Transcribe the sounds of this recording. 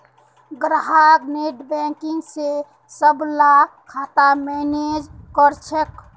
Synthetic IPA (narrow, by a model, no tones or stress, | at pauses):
ɡɾaɦakneʈbɛ̃kiŋɡse | səblakʰat̪amened͡ʒkəɾt͡ʃʰek